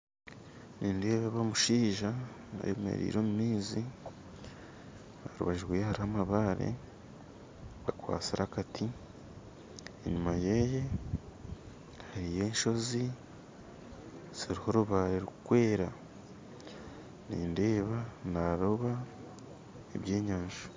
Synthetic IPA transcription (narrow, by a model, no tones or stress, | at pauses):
niːnde̞ːβaβamuʃiːʒaa̰βemḛɾḭːɾoːmumiːzi | aɾṵβaʒiɾwejhaɾihamaβaɾḛ | akwa̰ːsiɾahakatʰi | eɲumajeje̞ | haɾije̞ːnʃo̞zi | z̥iɾiho̞ɾuβaɾeɾukwe̞ːɾa | nḭːnde̞ːβanaɾoβa | eβje̞ːɲaːnʒu̥